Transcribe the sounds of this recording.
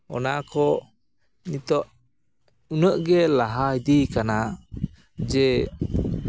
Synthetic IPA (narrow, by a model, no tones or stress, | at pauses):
ɔ̰nakɔ | nit̪ɔʔ | unəʔɡɛlaɦaid̪ikana | d͡ʒɛ